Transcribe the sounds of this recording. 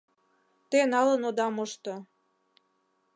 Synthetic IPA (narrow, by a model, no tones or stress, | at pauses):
t̪enɑlənod̪ɑmoʃt̪o